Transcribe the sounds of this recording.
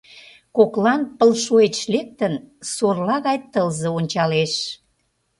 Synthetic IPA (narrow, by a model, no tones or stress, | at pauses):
koklɑnpəlʃoet͡ɕlek̚t̪ənsorlɑɣɑjt̪əlzeonʲt͡ɕɑleʃ